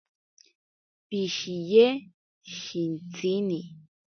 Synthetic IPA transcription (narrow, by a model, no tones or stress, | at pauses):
piʃije | ʃint͡sini